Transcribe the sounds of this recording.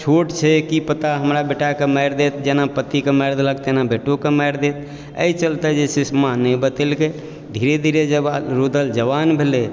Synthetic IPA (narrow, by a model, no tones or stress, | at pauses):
t͡ʃʰoʈt͡ʃʰɛkipət̪aɦəmɾabeʈakeməɪɾd̪et̪d͡ʒenapət̪ikeməɪɾd̪eləkt̪enabeʈokeməɪɾd̪et̪ | ə̰it͡ʃəlt̪ɛd͡ʒesismanɛĩbət̪əlke | d̪ʱiɾed̪ʱiɾed͡ʒəbɾud̪əld͡ʒəbanbʱele